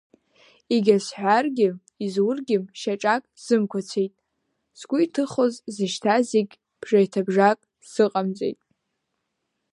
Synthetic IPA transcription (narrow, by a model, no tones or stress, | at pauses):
iɡʲasħʷarɡʲɪ | izwʊrɡʲɪʃaʈ͡ʂʼakʼz̥ɨmkʷʰat͡sʷʰejtʼ | sɡʷʊitʰɨχozzɨʃtʰaziɡʲ | b̥ʐajtʰabʐakʼ | sɨqʼamt͡sʼḛjtʼ